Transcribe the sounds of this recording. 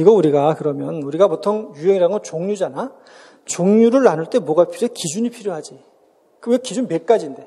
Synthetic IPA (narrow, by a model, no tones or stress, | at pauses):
iɡʌuɾiɡakɯɾʌmjʌnuɾiɡapotʰoŋjuɦe̞ŋiɾaŋɯnt͡ɕoŋɲud͡ʑana | t͡ɕoŋɲuɾɯɭanɯɭt͈e̞mwʌɡapʰiɾokid͡ʑuɲipʰiɾjoɦad͡ʑi | kɯekid͡ʑunbe̞k̚k͈ad͡ʑinde̞